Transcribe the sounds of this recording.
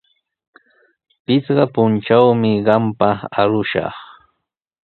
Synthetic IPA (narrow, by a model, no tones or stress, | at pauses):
pɪt͡sɢɑpʊnt͡ʃawmɪɢɑmpaaɾʊʃɑ̰χ